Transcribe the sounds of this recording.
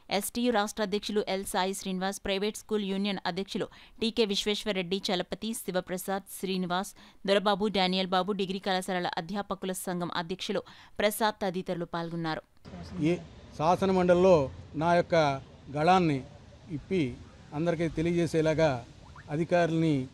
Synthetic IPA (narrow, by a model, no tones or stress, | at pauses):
esʈijuɾaːʂʈɾɐːd̪ʱjɐkʂuluʔelsaːjiʃɾiːniʋaːspɾɐjʋeːʈskuːljuːnijɐnɐd̪ʱjɐkʂɐluːʈiːke̞ːʋiʃʋeːʂʋɐɾeɖːit͡ʃɐlɐpɐt̪isiʋɐpɾɐsaːd̪ʃɾiːniʋaːs | d̪uɾɐbaːbuɖaːnijɐlbaːbuɖiɡɾiːkɐlɐsɐlɐlɐ̰ʔɐd̪ʱjaːpɐkulɐsɐŋɡʱɐmʔɐ̰d̪ʱjɐkʂɐloː | pɾɐsaːd̪̚ɐd̪iːt̪ɐɾulupaːlɡunːaːɾu | saːsɐnɐmɐɳɖɐllːo̞ːnaːjɔkːɐ | ɡɐɭaːnːi | ipːi | ɐnd̪ɐɾik̬it̪elijɐd͡ʒeːsɛːlaːɡaː | ɐd̪ʱikaːɾulɐni